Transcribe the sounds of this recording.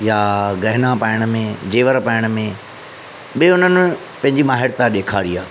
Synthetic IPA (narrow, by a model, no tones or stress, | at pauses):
jaɡɐɦɪnãpaːɪɽ̃ə̆mẽd͡ʑeːʋəɾpaːɪɽ̃ə̆mẽ | ɓieʊn̤ənɪ̃ | pɐ̃ɦɪ̃ɲd͡ʑimaːɦɪɾt̪ãɗeːkʰaːɾiaː